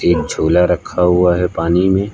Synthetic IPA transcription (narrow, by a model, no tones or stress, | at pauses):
eːk̚d͡ʒʱoːlaɾɐkʰːaɦuaɦɛpaːnimẽ